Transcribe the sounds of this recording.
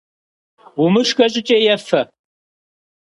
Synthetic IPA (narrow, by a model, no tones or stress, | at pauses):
umɨʂkʼɐɕʼɪt͡ʃʼeːjɛfɐ